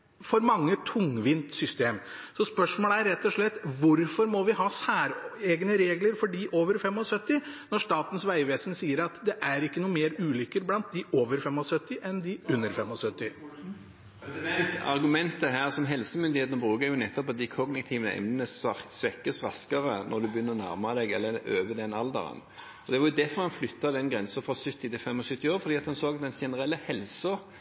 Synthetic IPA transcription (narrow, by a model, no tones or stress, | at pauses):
fɔɾmɑŋːət̪ʰʊŋʋɪnt̪sʏst̪eːmsɔspœʂmoːləæɾɾɛt̪ːɔʂɭɛt̪ːʋʊɾfɔɾmɔʋɪhɑːsæːɾeːɡnəɾeːɡləɾfɔɖiːʔoːʋəɾfɛmːɔsœt̪ːɪnɔʂt̪ɑːt̪ən̩sʋæɪʋeːsənsiːəɾɑt̪d̪ɛʔæɾɪkːənuːəmeːɾʉːlʏkːəɾblɑnt̪̚d̪ɪʔoːʋəɾfɛmɔsœt̪ːɪʔɛnd̪ɪʉnːəɾfɛmːɔsœt̪ːɪ | ɛsd̪ɛnt̪ɑ̰ʁɡʉmɛnt̪əɦæːʁsɔmɦɛlsəmʏnd̪ɪheːt̪ənəbʁʉːkəjʊnɛt̪ːɔpɑt̪d̪ɪkʰɔɡnɪkt̪ʰiːʋəɛ̰mnənəssʋɛkːəsʁɑskəʁənʔɔʁd̪ʉbəjʏnːəɾɔnæ̰ʁmɑd̪ɛɡɛ̰lːəɾøːʋəd̪ɛnɑld̪ə̰ʁə̰n | ɔd̪ɛʋɑɾjʊd̪ɛfɔɾhɑnflʏt̪ːɑd̪ɛnɡɾɛnsənfɾɑsʏt̪ːɪt̪ɪlfɛmːɔsʏt̪ːɪoːɾfɔd̪iːɑt̪hɑnsoːɡɑt̪̚d̪ɛnʃɛnəɾʁɛlːəhɛlsɔ